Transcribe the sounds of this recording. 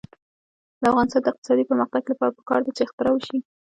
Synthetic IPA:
d̪əafɣɑnɪst̪ɑnd̪əɪq̚t̪ɪ̥sɑd̪ipəɾməxt̪aɡlapɑɾapə̥kɑɾd̪at͡ʃext̪əɾawəʃi

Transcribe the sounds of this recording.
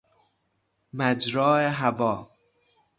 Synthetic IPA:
mæd͡ʒɾɒːeɦævɒː

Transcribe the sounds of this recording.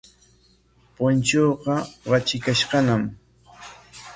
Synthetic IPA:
pʊnt͡ʃoːqɑɢɑt͡ʃɪkaʃɢɑnam

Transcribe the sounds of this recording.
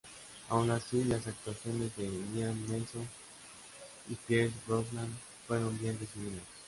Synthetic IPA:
a̰wnasilasak̚t̪waθjo̞nezdeβenianmeso | ipjeɾɡoslan | fweɾombjend̪esuβiðas

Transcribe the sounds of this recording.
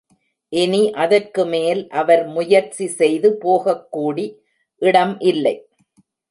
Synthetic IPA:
ʔɪniʔɐðɐrkɯmeːlʔɐʋɐɾmʊjɐɾt͡ʃisɛjðɯpoːɣɐkːuːɽi | ʔɪɽɐmʔɪlːɐɪ

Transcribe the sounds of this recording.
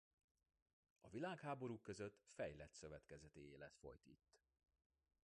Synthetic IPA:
ɒvilaːkhaːbo̞ɾuːkːø̞zøt̪fɛjlɛt̪sø̞vɛt̪kɛzɛt̪eeːlɛt̪fo̞̰jt̪it̪ː

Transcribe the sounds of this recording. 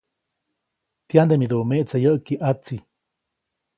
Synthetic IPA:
t̪jand̪emid̪umeʔt͡sajəʔkiʔat͡si

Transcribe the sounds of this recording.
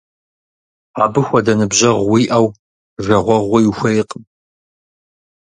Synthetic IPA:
aːbɨxʷɐdɐnɨbʑɐʁwiːʔɐw | ʒɐʁʷɔʁʷʊjɪxʷɐjqʼm

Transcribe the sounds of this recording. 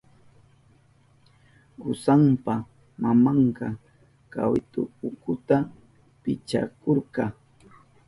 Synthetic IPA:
ʊsampa | mamɑɴqɑ | ka̰wɪt̪ʊʊkʊt̪a | pɪt͡ʃa̰koɾqɑ

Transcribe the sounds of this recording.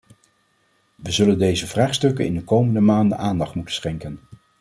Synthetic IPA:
ʋəzɵləndejzəvraːχstɵkənɪ̰ndəkowməndəmaːndə̰nʔaːndɑχtmutənsχɛŋkən

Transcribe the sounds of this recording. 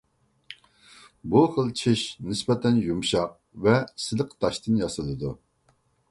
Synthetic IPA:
buχəlˠt͡ʃʰɪʃnɪspɛt̪ʰɛnjumʃɑq̚ | vɛsɪləqʰt̪ʰɑʃt̪ʰɨnjɑsɨd̪ɨd̪u

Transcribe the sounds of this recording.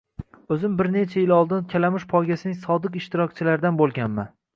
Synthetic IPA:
ɵzɪmbɪɾne̞t͡ʃʰajɪlɒlˠd̪ɪnkʲʰalamɪʃpʰɒjɡʲasɪnɪŋsɒd̪ɪqɪʃt̪ɪɾɒk̚ʲt͡ʃʰɪlaɾɪd̪anbolˠɡʲanma

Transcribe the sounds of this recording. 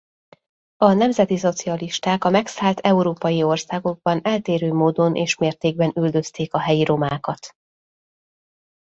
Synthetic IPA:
ɒnɛmzɛt̪iso̞t̪siɒliʃt̪aːkɒmɛksaːlt̪ʰɛuɾoːpɒjio̞rsaːɡo̞ɡ̚bɒnɛlt̪eːɾøːmoːd̪o̞nʔḛːʃmeːrt̪eːɡ̚bɛnyld̪ø̞st̪eːkɒɦɛjiɾo̞maːkɒt̪

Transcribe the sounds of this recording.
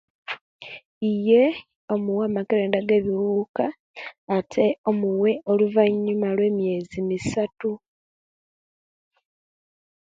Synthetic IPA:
ije̞ | o̞muwaːmakeɾe̞ːndaɡe̞ːβiwuuːkaː | tʰe̞o̞muwe̞ʔo̞luvaɲːumalwe̞ːmje̞ːzimisatu

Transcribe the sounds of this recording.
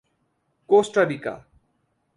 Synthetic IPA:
kosʈadika̰

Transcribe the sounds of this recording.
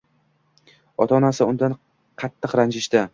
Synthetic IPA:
ɒt̪ʰɒnasɪʊnd̪an | qʰɑt̪ʰːɨqɾand͡ʒɪʃt̪ɪ

